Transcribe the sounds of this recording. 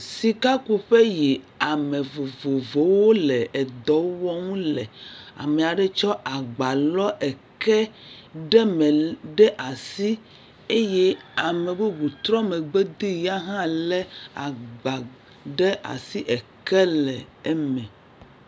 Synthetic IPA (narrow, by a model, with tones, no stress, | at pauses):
si˨ka˦ku˨ɸe˦ji˨ | a˨mẽ˨vo˨vo˨vo˨wo˦lɛ˨ʔɛ˨d̪ɔ˨˦wɔ˦ŋũ˦lɛ˨a̰˨me˨a˨ɖɛ˦t͡ʃɔ˦ʔa˨ɡ͡ba˨lɔ˦ʔɛ˨kɛ˦ɖɛ˦mẽ˨ɖɛ˦ʔa˨si˦ | e˦jɛ˦a˨mɛ˨be˦ɡu˨t̪ɾɔ̃˦me˨ɡ͡be˦d̪i˦ja˦ɦã˦lɛ˦a˨ɡ͡ba˨ | ɖe˦a̰˨si˦ʔɛ˨kɛ˦lɛ˨ɛ˦mɛ̃˨